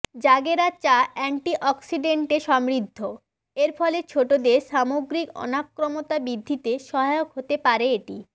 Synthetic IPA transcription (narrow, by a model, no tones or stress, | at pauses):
d͡ʑaɡeɾat͡ɕaɛɳʈiʔɔksiɖeɳʈeʃɔmɾid̪ʱːo | eɾfɔlet͡ɕʰoʈod̪eʃamoɡɾikɔ̰nakːɾomot̪abid̪ʱːit̪eʃɔɦajokɦot̪epaɾeeʈi